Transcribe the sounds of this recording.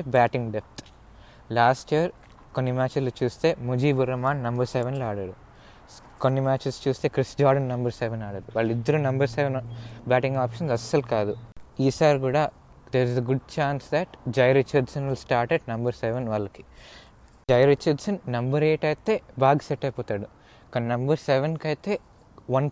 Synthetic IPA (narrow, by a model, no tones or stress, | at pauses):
ebæːʈĩŋɡɖep̚ʰt̪ | laːsʈijɐɾ | konːimæːt͡ʃilot͡ʃuːst̪e̞ːmud͡ʒiːbuɾːɐmaːnːɐmbɐɾseʋɐnlaːɽɐːɽu | konːimæːt͡ʃest͡ʃuːst̪e̞ːkɾisd͡ʒaːɾɖɐnːɐmbɐɾseʋɐnaːɽɐɽuʋaːɭːɐid̪ːɐɾunɐmbɐɾseʋɐnbæːʈĩŋɡaːpʃɐnsɐsːɐlukaːd̪uiːsaːɾikuːɽaː | d̪eːɾizeɡuɖ̚t͡ʃaːnsd̪æʈd͡ʒɐjɾit͡ʃɐɖsɐnʋilsʈaːɾʈeɖnɐmbɐɾseʋɐnʋaːlːɐki̥ | d͡ʒɐjɾit͡ʃːɐɖsɐnːɐmbɐɾeːʈɐjt̪eːbaːɡɐsɛʈːɐjpɔːt̪aːɽu | kɐnːɐmbɐɾseʋenkɐjt̪e̞ː | ʋɐn